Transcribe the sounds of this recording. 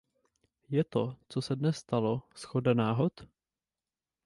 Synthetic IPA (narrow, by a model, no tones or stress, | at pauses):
jɛt̪ot͡sosɛdnɛsːt̪alo̞sxo̞danaːɦo̞t̪